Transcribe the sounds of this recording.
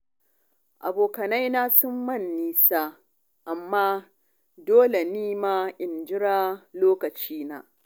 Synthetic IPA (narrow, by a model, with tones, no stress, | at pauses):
ʔa̰˨boː˨kɐ˨na˦jnaː˦sʊ˦mːɐ˦˨nːiː˦sa˦ | ʔa˨mːaː˦ | doː˦le˨niː˦maː˦ʔɪ˨nd͡ʒɪ˦ɽaː˦loː˦kɐ˨t͡ʃiː˦na̰ː˦